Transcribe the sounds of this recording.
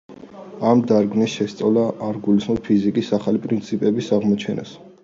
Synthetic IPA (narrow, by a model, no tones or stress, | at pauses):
amd̪aɾɡmisʃɛst̪sʼavlaʔːɾɡulismɔpʰizikʼisaχalipʼɾint̪sʰipʼɛbisaʁmɔt͡ʃʰɛna̰s